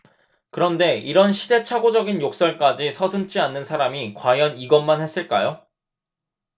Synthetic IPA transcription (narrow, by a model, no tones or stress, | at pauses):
kɯɾʌnde̞iɾʌnɕʰide̞t͡ɕʰaɡod͡ʑʌɡinjok̚s͈ʌɭk͈ad͡ʑisʰʌsʰɯmt͡ɕ͈ianːɯnsʰaɾamikwajʌniɡʌnmanhe̞s͈ɯɭk͈ajo